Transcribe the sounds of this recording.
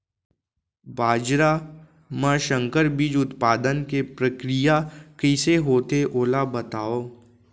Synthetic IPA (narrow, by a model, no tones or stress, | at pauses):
baːd͡ʒɾa | mɛ̃ʃə̃ŋkəɾbid͡ʒʊt̪paːd̪ənkepɾəkɾijakɪːseɦoːt̪eʔoːlabɐt̪aːoː